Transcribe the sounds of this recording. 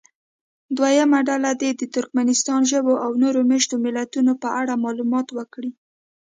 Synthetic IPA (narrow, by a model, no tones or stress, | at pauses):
d̪wajamaɖalad̪ed̪ət̪ʊɾk̚manɪst̪ɑnʒəboʔawnoɾomeʃt̪omɪlat̪unopəʔaɽamɑlumɑt̪wəkɽi